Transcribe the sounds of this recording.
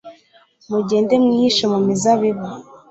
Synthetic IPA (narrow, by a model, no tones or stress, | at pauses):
muɟeːndemŋiːʃomumizaβiβa